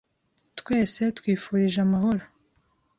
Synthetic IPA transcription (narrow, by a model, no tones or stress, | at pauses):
t̪kwe̞ːse̞t̪kwiːfuːɾiʒamaɦo̞ɾo